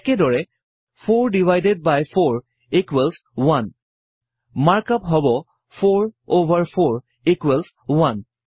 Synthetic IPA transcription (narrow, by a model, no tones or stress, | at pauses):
kɛdɔɹɛ | pʰoɹdivajded̚bajpʰoɹ | ikwɛlswan | maɹkapɦɔbɔ | pʰoɹovʱaɹpʰoɹ | ikwɛlswan